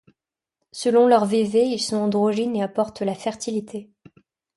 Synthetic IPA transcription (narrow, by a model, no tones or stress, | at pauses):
səlɔ̃lœʁveveilsɔ̃ɑ̃d̪ʁoʒineapɔʁt̪lafɛʁt̪ilit̪ʰe